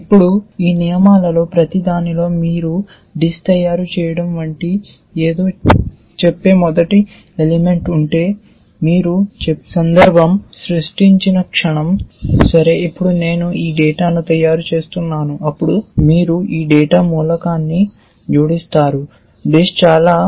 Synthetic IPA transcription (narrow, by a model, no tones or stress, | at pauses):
ipːuɽuiːnijɐmaːlɐlo̞ːpɾɐt̪id̪aːnilo̞ːmiːɾu | ɖist̪ɐjːaːɾut͡ʃɛːjɐɽɐmʋɐɳʈi | eːd̪o̞ː | t͡ʃepːe̞ːmɔd̪ɐʈi | elime̞ɳʈuɳʈe̞ː | miːɾut͡ʃesɐnd̪ɐɾbʱɐmsɾuʂʈiɲt͡ʃinɐkʂɐɳɐmsɐɾe̞ːipːuɽune̞ːnuiːɖɛːʈaːnut̪ɐjaːɾut͡ʃe̞ːst̪unːaːnuʔɐpːuɽumiːɾuiːɖɛːʈaːmuːlɐkaːnːi | d͡ʒuːɽist̪aːɾu | ɖist͡ʃaːlaː